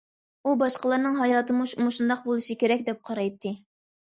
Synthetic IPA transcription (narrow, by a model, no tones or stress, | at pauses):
ubɑʃqəlˠɑɾnɨŋɦɑjɑːt̪ɨmuʃumuʃund̪ɑq̚bolˠɨʃikʲeɾɛkʲd̪ɛp̚qʰɑɾɑjt̪ʰːɨ